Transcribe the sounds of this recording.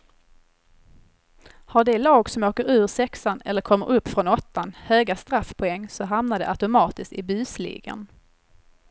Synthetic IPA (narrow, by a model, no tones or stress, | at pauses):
haɖɛlɑːɡsɔmoːkəɾʉ̟ːɾsɛksanɛ̰lːəɾkʰɔmːə̰ɾɵpːfɾɔnɔt̪ːanhøːɡast̪ɾafːpʰɔɛŋːsɔɦamnad̪ɛʔat̪ʊmɑːt̪ɪskt̪ɪ̰byːslḭːɡə̰n